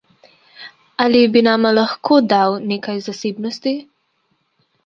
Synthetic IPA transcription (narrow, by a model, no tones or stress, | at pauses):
alibinamalaxkʰoːd̪awneːkajzaseːbnɔst̪i